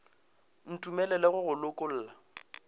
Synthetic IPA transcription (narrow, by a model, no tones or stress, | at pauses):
n̩tʼumɛlɛlɛɣʊɣʊlʊkʼʊl̩ːla